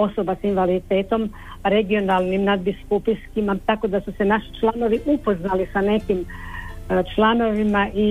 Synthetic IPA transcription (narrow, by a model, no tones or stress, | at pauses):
o̞so̞basinʋalid̪it̪e̞ːt̪o̞m | ɾe̞ɡio̞nalˠnimnad̪biskupiskimat̪ako̞d̪asusenaʃi̥t͡ʃlˠano̞ʋiʔupo̞znalisane̞kim | t͡ʃlano̞ʋimaʔi